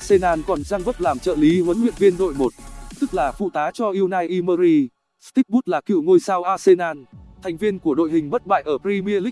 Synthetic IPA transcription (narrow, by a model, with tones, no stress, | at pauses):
se˧naː˧nkɔ˨˩nzaː˧ŋvə˦˥p̚laː˨˩mt͡ɕə̰ː˧˨li˨˦hwə˨˦nhwḭ˧˨ənvi˧ənɗo̰˧˨jmo˨˩t̚t̪ɨ˦˥k̚laː˨˩fṵ˧˨t̪aː˨˦t͡ɕɔ˧ʔi˧əwnaː˧jʔi˧məː˧ɾi˧ | st̪i˦˥k̚ɓu˦˥t̚laː˨˩kḭ˧˨wŋo˧jsaː˧wʔaː˧se˧naː˧nt̪ʰa˨˩ŋ̟vi˧ənku˧˩əɗo̰˧˨jɦï˨˩ŋ̟ɓə˦˥t̚ɓa̰ː˧˨jʔəː˧˩pɾi˧mi˧əli˦˥k̚